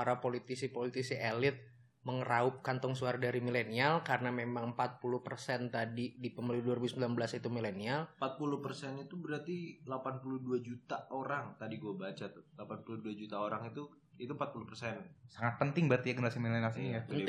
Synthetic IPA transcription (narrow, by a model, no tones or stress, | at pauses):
aɾapolit̪isipolit̪isiʔelɪt̪̚ | məŋəraʊp̚kant̪ɔŋsuaɾadaɾimilenialkarənamemaŋəmpat̪̚pulʊhpərsɛnt̪adidipəməluduaɾibusəmbilanbəlasit̪umilenialmpat̪̚pulʊhpərsɛnit̪ubəɾart̪ilapanpuluhduad͡ʒut̪aoɾaŋt̪adiɡuabat͡ʃat̪ʊlapanpuluhduad͡ʒut̪aoɾaŋit̪u | it̪umpat̪̚pulʊhpərsɛnsaŋat̪̚pənt̪ɪŋbəɾart̪ijaɡənəɾasimilenialsiaən